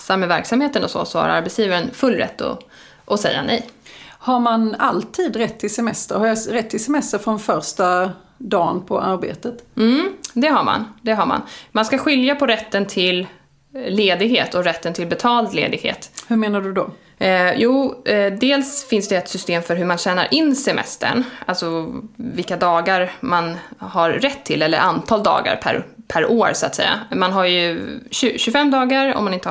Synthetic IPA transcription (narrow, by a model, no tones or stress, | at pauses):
samɛvæɾksamheːt̪ənɔsɔ̰sɔha̰ɾa̰ɾbɛt̪sjiːvaɾənfɵlːɾɛ̰t̪ːɔ̰ | ʔɔsɛjːa̰nɛ̰jhaɾmanalt̪ʰiːd̪ɾɛt̪ʰːɪsɛmɛst̪ə̰ɾhaɾjaɾɛt̪ːɪsɛmɛst̪əɾfɾɔnfœɾʂʈa | d̪ɑːnpʰɔʔaɾbḛːt̪ət̪m̩d̪ɛɦaɾma̰nd̪ɛɦaɾma̰nmanskaɧɪljapʰɔɾɛt̪ːənt̪ʰɪlː | eːd̪ɪɡhḛːt̪ɔɾɛt̪ːənt̪ʰɪlbɛt̪ʰɑːld̪lḛːd̪ɪɡhḛːt̪hɵmeːnaɖɵd̪ɔ | juːd̪eːlsfɪnsd̪ɛːɛt̪sʏst̪eːmfœɾɦɵɾmanɕæːnaɾʔɪnːsɛmɛ̰st̪ə̰ɳʔalsɔvɪlkːad̪ɑːɡaɾmanhaɾɾɛt̪ʰːɪlːɛlːə̰ɾʔant̪ʰɑːld̪ɑ̰ːɡa̰ɾpʰæ̰ɾpʰæɾʔoːɾsʊa̰t̪sɛ̰jːa̰manɦaɾjɵɕɵɕɵfɛmːd̪ɑːɡaɾɔ̰mːanɪnt̪ə